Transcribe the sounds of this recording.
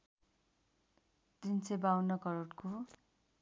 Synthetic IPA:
d̪int͡sʰebawnʌkʌɾoʈko

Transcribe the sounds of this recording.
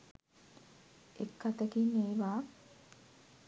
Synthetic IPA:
ekːat̪əkineːʋaː

